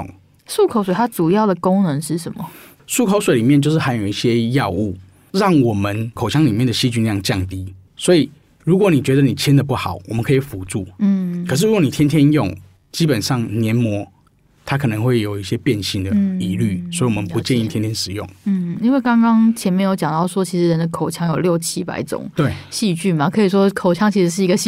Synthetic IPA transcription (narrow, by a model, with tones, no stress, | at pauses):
ʂu˥˩kʰo˨˥ʊswe˨˩ɪt̪a˥ʈ͡ʂu˨˩jɑ˥˩ʊd̪ə˨˩ko˥ŋnə˧˦ŋʂɻ̩˥˩ʂə˨˦nmə˨˩ | ʂu˥˩kʰo˧˥ʊswe˨˦li˨˩mjt͡ɕo˥˧ʊʂ̬ɻ̩˥˩ha˧˥ɪjo˨˩ʊi˥˩ɕjɛ˦jɑ˥˧ʊu˥˩ | ɻɑ˥˩ŋwɔ˨˩mə˦nkʰo˨˩ʊɕʰjɑ˥˦ŋli˨mjɛ˥˩nd̪ə˨˩ɕi˥t͡ɕy˥n˥˧jɑ˥˧ŋt͡ɕjɑ˥˨˩ŋt̪i˧˦ | swɔ˧˥i˨˩ | ɻu˧˦˥kwɔ˧˦ni˨˩t͡ɕɥɛ˧˦d̪ə˨ni˨˩t͡ɕʰjɛ˥nd̪ə˨pu˥˩xɑ˨˩˦ʊwɔ˨˩mə˦nkʰə˧˥i˨˩fu˧˦ʈ͡ʂu˥˩˥kʰʂ̬̩˥˩ɻu˦kwɔ˧ni˨˩t̪ʰɛ˥nt̪ʰjɛ˦˥njʊ˥˨ŋ | t͡ɕi˦˥pə˨˩nʂɑ˥˨˩ŋnjɛ˧˦nmwɔ˧˥ | t̪ʰa˦kʰɤ˨˩nə˧˦ŋxwe˥˩ɪjo˨˩ʊi˥˩ɕjɛ˦˥pjɛ˥˧nɕi˥˩nd̪əi˧˥ly˥˩swɔ˧˥i˨˩wɔ˨mə˦npu˧˦t͡ɕɛ˥˧ni˥˩t̪ʰjɛ˥nt̪ʰjɛ˦˥nʂɻ̩˨˩jʊ̰˥˩ŋn̩˥˩i˥nwe˥˩ɪkɑ˥ŋkɑ˥ŋt͡ɕʰjɛ˧˥nmjnjo˧˥t͡ɕjɑ˨˩ŋt̪ɑ˥˩ʊʂwɔ˥t͡ɕʰi˧˥ʂɻ̩˧˥ɻə˧˥nd̪ə˨˧kʰo˨˩ʊt͡ɕʰjɑ˥ŋjo˨˩ʊljo˥˨˩ʊt͡ɕʰi˥pa̰˧˩ɪt͡sʊ̰˨˩˦ŋt̪we˥˩ɕi˥˧t͡ɕy˥˩nma˨kʰɤ˧˥i˨˩ʂ̬wɔ˥kʰo˨˩ʊt͡ɕʰjɑ˥ŋt͡ɕʰi˧˥ʂɻ̩˧˥ʂ̬ɻ̩˥˩i˧ɡə˧˩